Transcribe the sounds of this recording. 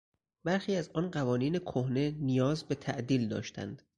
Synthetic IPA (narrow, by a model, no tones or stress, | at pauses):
bæɾxiːæzɒːnɢævɒːniːne̞kʰohne̞nijɒːzbe̞t̪ʰæʔd̪iːld̪ɒ̰ːʃt̪ʰæ̰nd̪̥